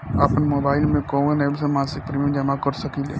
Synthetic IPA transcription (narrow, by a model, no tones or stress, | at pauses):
aːpəɳmoːbaɪlmẽkoʋənelsəmãsik̚pɾimĩd͡ʒəmakəɾsəkilḛ